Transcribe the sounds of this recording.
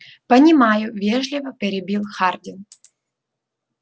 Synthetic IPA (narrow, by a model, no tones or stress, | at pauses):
pənʲɪmajʊvʲeʐlʲɪvəpʲɪɾʲɪbʲilˠxardʲɪn